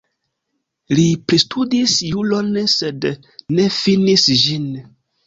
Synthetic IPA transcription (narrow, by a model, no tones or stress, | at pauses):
lipɾistʰudisjulo̞nse̞d | ne̞finisʒin